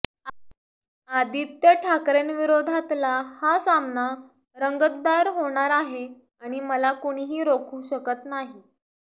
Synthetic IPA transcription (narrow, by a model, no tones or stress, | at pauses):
ad̪iːt̪jaʈʰakɾenʋiɾod̪ʱat̪lahasamna | ɾəŋɡət̪ːaɾɦoɽ̃aɾaɦe | aɽ̃iməlakoɽ̃iɦiːɾokʰuːɕəkət̪naɦi